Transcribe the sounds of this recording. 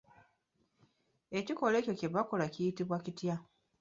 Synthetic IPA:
e̞ciko̞le̞ːco̞ceβako̞lacijitiβwacitja

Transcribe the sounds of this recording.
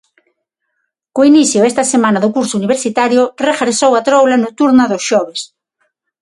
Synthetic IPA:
koiniθjʊɛst̪ɐsemãnɐðʊkuɾsʊuniβeɾsit̪aɾjʊrefeɾsowat̪ɾowlanot̪uɾnɐðosʃɔβ̞es

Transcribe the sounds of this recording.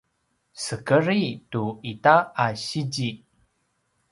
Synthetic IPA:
səkəɾituitaaɕid͡ʑi

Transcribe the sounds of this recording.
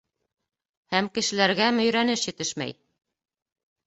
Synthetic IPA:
hæmkɘ̆ʃɘ̆læɾɡæmɵ̆jɾænɘʃjɘ̆t̪ɘʃmæ̰j

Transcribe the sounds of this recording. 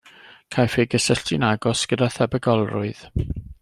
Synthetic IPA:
kʰajfejɡəsəɬtɪnaɡɔsɡ̥ədaθɛbəɡɔlˠrʊ̰ɨð̥

